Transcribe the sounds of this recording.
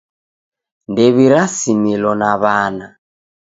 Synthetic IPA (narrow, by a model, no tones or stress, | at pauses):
ndɛβiɾasimilɔnaβaːna